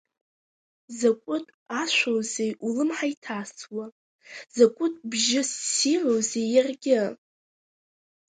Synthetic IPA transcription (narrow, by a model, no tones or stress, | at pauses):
zakʷʼʊtʼaʃʷowzejʔulɨmħaitʰat͡sʰʼwa | z̥akʷʼʊtʼbʒɪsːirowzejarɡʲɪ